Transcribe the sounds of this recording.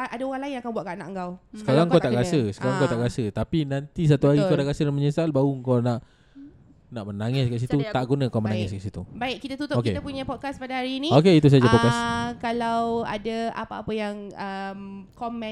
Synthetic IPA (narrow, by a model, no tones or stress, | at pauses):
aʔadaoɾaŋlainj̃ŋakanbuat̪̚kaʔnaʔŋkawsə̥kaɾaŋkawt̪aʔɡasəsə̥kaɾaŋkawt̪aʔɡasət̪apinãnt̪is̬at̪uɦaɾikanaʔɡasədãməɲəsalbauŋkanaʔ | naʔmənaŋɪskaʔs̬it̪ut̪aʔɡunãkamənaŋɛskaʔsit̪ubaɪʔkit̪at̪ut̪ʊokeapuɲapɔt̚kaspadaɦaɾiːnĩokeit̪̬us̬ad͡ʒapɔt̚kaskalawa̰daa̰paapəjaŋəmkɔmɛ̃